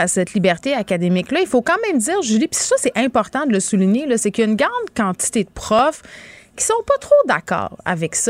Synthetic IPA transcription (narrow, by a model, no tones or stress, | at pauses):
asɛt̪libɛʁt̪eakad̪emɪklʌilfokɑ̃ːmɛ̃md̪iːʁʒylipi̥ssʌsɛʔɛ̃pɔʁt̪ɑ̃d̪ələsuliɲelʌsekjaynɡʁɑ̃d̪kɑ̃t̪i̥t̪ed̪əpχɔfkʲi̥sɔ̃pɔt̪χod̪a̰kɑ̰ːʁa̰vɛks